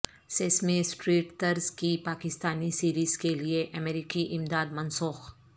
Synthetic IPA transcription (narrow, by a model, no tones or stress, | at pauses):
seːsmẽsʈɾiːʈt̪ɐɾzkipaːkɪst̪aːnisiːɾiːzkelieʔɐmeːɾɪkiʔɪmd̪aːd̪mɐnsʊːx